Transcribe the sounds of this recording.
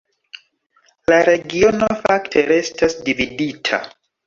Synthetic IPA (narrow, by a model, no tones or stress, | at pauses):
laɾe̞ɡio̞no̞faktʰe̞ɾe̞stʰasdividitʰa̰